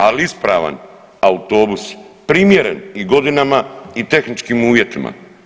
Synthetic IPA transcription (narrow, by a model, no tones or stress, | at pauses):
aliispɾaːʋa̰n | aut̪o̞ːbuspɾiːmje̞ɾḛniɡo̞d̪inamait̪e̞xnit͡ʃkiːmuːʋje̞t̪imʔa̰